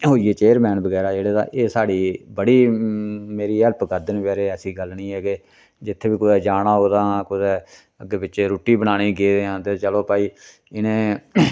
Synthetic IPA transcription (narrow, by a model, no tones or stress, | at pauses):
ɦoːiːeːt͡ʃeːəɾmɛ̃ːnbəɡɛːɾaːd͡ʒeːɽeːd̪ã̰ːʔeːsaːɽiːbəɽiː | meːɾiːɦɛlpɡəɾd̪ənʋɛːɾeːɛːsiːɡəlnĩːɛːke | d͡ʒɪt̪ʰːeːbiːkʊd̪ɛːd͡ʒaːɽãːɦoːd̪ãːkʊd̪ɛː | əɡeːbɪt͡ʃʃeːɾoːʈiːbənaːniːɡeːd̪eːãːt̪eːt͡ʃəloːpaːiː | ɪnẽː